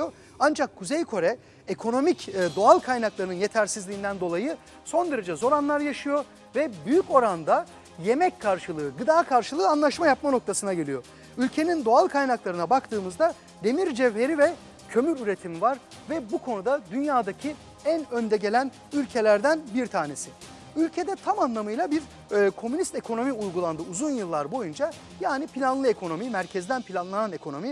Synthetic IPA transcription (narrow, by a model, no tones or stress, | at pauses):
o | and͡ʒakʰːuzejkʰo̞ɾɛ | ekʰo̞no̞micd̪o̞alˠkʰajnaklˠaɾɯnɯnje̞t̪ʰæɾsizlʲiːnd̪ænd̪o̞lˠajɯ | so̞nd̪eɾed͡ʒɛzo̞ɾanlˠaɾjaʃɯjo̞ | vɛbyjyco̞ɾand̪a | je̞mɛckʰaɾʃɯlˠɯːɡɯd̪aːkʰaɾʃɯlˠɯːanlˠaʃmajap̚mano̞k̚t̪ʰasɯnaɟe̞lʲijo̞ | ylʲcʰe̞nind̪o̞alˠkʰajnaklˠaɾɯnabakt̪ʰɯːmɯzd̪a | d̪e̞miɾd͡ʒɛvɦe̞ɾivɛ | cʰø̞myɾyɾe̞t̪ʰimivaɾ | vɛbukʰo̞nud̪ad̪ynjaːd̪acʰi | ænø̞nd̪ɛɟe̞lʲæn | ylʲcʰe̞lʲæɾd̪ænbiɾt̪ʰaːne̞si | ylʲcʰe̞d̪ɛt̪ʰamanlˠamɯjlˠabiɾ | kʰo̞mynist̪e̞kʰo̞no̞miujɡulˠand̪ɯuzunjɯlˠːaɾbo̞jund͡ʒa | jaːnipʰilʲanlˠɯe̞kʰo̞no̞mimæɾcʰɛzd̪ænpʰilʲanlˠanane̞kʰo̞no̞mi